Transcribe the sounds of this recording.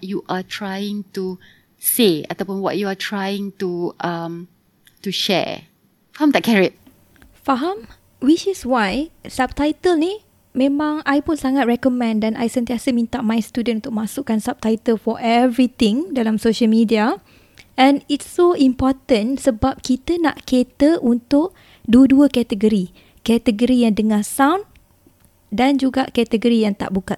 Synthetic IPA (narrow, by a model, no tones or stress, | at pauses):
wɔjuʔatʰɹajɪ̃ŋtu | sea̰t̪awpũnwɔ̰ʔ̚juatʰɹajɪ̃ŋtuʔam | tuʃɛ̰ | faãmd̪ɛkʰɛɹit̚ | faɦãm | wit͡ʃiswajsab̚t̪ajt̪əlni | mẽmãŋajpũnsaŋat̪̚ɹɛkɔmɛ̃ndɛnʔajsə̃nt̪iasəmĩnt̪aʔmãjst̪udə̃nũnt̪ʊk̚masukãnsap̚t̪ajt̪əlfɔʔɛvɾit̪ɪ̃ŋdalamsoʃəlmidia | ʔɛ̃nitsoimpɔt̪ənsəbap̚kit̪əna̰ʔket̪əʔunt̪ʊʔ̚ | duəduəkɛt̪əɡəɾi | kɛt̪əɡəɾijaŋdəŋãsawn | dand͡ʒuɡaʔkɛt̪əɡəɾijaŋt̪a̰ʔbukat̪̚